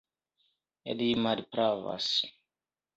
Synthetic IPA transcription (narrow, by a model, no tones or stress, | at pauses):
ḛdimadpɾava̰s